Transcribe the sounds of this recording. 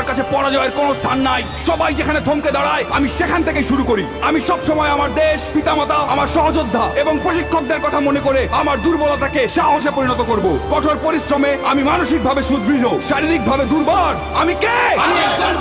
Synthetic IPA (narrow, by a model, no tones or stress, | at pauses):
ɾkat͡ɕʰepɔɾad͡ʑɔeɾkonost̪ʰanːaj | ʃɔbajd͡ʑekʰaned̪ʱomked̪aɽaeamiʃekʰant̪ʰekejʃuɾukoɾi | amiʃɔbʃɔmɔeamaɾd̪eʃpit̪amat̪aamaɾʃɔɦod͡ʑod̪ʱːaeboŋpɾoʃikʰːok̚d̪eɾkɔt̪ʰamonekoɾeamaɾd̪uɾbɔlat̪ʰakeʃaɦoʃ̬epoɾinɔt̪okoɾbokɔʈʰoɾpoɾisɾomeamimanoʃik̚bʱabeʃud̪ʱɾinoʃaɾiɾik̚bʱabed̪uɾbɔɾ | amikeamiɛkd͡ʑo